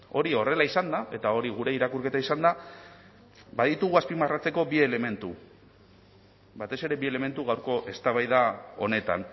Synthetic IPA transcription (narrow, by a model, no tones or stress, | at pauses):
o̞ɾio̞re̞laisand̪aʔe̞t̪ao̞ɾiɣ̞uɾe̞iɾakurke̞t̪aisand̪a | baðit̪uɣ̞uaspimarat͡se̞ko̞bie̞le̞me̞nt̪u | bat̪e̞se̞ɾe̞βie̞le̞me̞nt̪uɣawɾko̞ʔe̞st̪aβajðao̞ne̞t̪a̰n